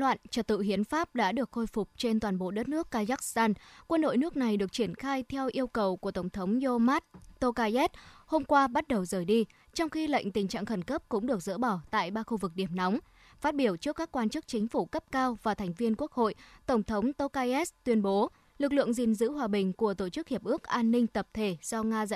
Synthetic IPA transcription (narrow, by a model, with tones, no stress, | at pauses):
lwa̰ː˧˨nt͡ɕə˨˩t̚t̪ɨ̰˧˨ɦi˨˦ənfaː˦˥p̚ɗa̰ː˧˥ɗɨ˨˩ək̚xo˧jfʊ˨˩k͡p̚t͡ɕe˧nt̪waː˨˩nɓo̰˧˨ɗə˦˥t̚nɨ˦˥əkːaː˧zaː˦˥k̚st̪aː˧nkwə˧nɗo̰˧˨jnɨ˦˥ək̚na˨˩jɗɨ˨˩ək̚t͡ɕi˧˩ənxaː˧jt̪ʰɛ˧wʔi˧əwkə˨˩wku˧˩ət̪ə˧˩ŋ͡mt̪ʰə˨˦wŋ͡mzo˧maː˦˥t̚t̪o˧kaː˧ʔɛ˦˥t̚ho˧mkwaː˧ɓa˦˥t̚ɗə˨˩wzəː˨˩jɗi˧ | t͡ɕɔ˧wŋ͡mxi˧lə̰˧˨jŋ̟t̪ï˨˩ŋ̟t͡ɕa̰ː˧˨ŋxə˧˩nkə˦˥p̚kʊ̰˧˥ŋ͡mɗɨ˨˩ək̚zɨ̰˧˥ɓɔ˧˩t̪a̰ː˧˨jɓaː˧xu˧vɨ˨˩k̚ɗi˧˩əmna˨˦wŋ͡m | faː˦˥t̚ɓi˧˩əwt͡ɕɨ˦˥kːaː˦˥kːwaː˧nt͡ɕɨ˦˥k̚t͡ɕï˨˦ŋ̟fu˧˩kə˦˥p̚kaː˧wvaː˨˩t̪ʰa˨˩jŋ̟vi˧ənku˦˥ək̚ho̰˧˨jt̪ə˧˩wŋ͡mt̪ʰə˨˦wŋ͡mt̪o˧kaː˧ʔɛ˦˥st̪wi˧ənɓo˨˦ | lɨ˨˩k̚lɨ̰˧˨əŋzḭ˨˩nzɨ̰˧˥ɦwaː˨˩ɓï˨˩ŋ̟ku˧˩ət̪o˧˩t͡ɕɨ˦˥k̚hi˨˩əp̚ʔɨ˦˥ək̚ʔaː˧nːï˧ŋ̟t̪ə˨˩p̚t̪ʰe˧˩z̥ɔ˧ŋaː˧zə̰˧˨